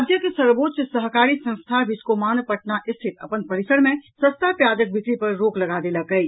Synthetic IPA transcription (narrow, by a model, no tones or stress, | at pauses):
d̪ʱjəkesəɾboːt̪t͡ʃsəɦkaːɾisə̃ñst̪ʰabʱɪskomaːnpəʈ̚naʔɪst̪ʰit̪ə̰pənpəɾisəɽmẽsə̃st̪ʰapjaːd͡ʒək̚bɪkɾipɐɾːoːklɐɡad̪eləkəj